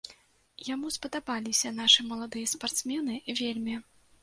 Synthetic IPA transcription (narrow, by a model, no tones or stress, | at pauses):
jamuspɐd̪abalʲisʲɐnaʂɨmɐlˠad̪ɨjɐspart̪smʲɛnɨvʲelʲmʲi